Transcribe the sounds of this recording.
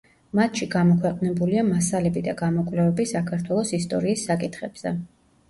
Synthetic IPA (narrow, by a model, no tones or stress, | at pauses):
mat̪ʰʃiɡamɔkʰwɛqʼnɛbuliamasalɛbid̪aɡamɔkʼvlɛvɛbisakʰaɾt̪ʰwɛlˠɔsist̪ʼɔɾiːsːakʼit̪ʰχɛb̥z̥ɛ̰